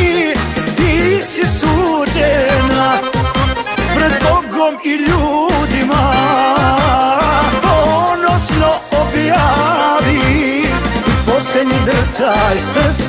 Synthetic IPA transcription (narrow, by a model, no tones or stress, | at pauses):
d̪isisut͡ʃena | pɾɛd̪poɡɾomiʎuːd̪ima | ponosnoobjaʋi | posled̪ɲid̪ɾət̪ajsɛ